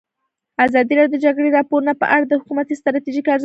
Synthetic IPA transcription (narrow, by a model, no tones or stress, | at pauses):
azɑd̪iɾɑdjod̪əd͡ʒaɡɽeɾɑpoɾunapə̰ʔaɽad̪əhʊkumat̪ist̪ɾɑt̪iʒikaɾz